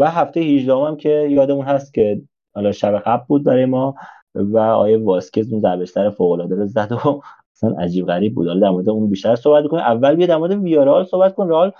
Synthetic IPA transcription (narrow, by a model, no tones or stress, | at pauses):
væɦæft̪ejehiʒd̪æho̞mæmcʰe̞jɒːd̪emunhæst̪cʲʰe̞ | hɒlɒːʃæbeɣæblbuːd̪̚bæɾɒːjemɒː | væɒ̰ːjevɒːscʰezunzæɾbeʃssæɾefoːɣolɒːd̪eɾezæd̪o | æsænʔæ̰d͡ʒiːbɣæɾiːb̚bṵd̥̪hɒlɒd̪æɾmoɾed̪eunbiːʃt̪æɾsohbæt̪̚mikoniʔævːælbijd̪æɾmoɾed̪evijɒːɾehɒlsohbæt̪̚kʰonɾehɒl